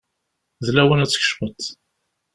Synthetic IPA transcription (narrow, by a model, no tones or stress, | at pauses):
ðlæwənæt͡sːə̥ç̥ʃmət̪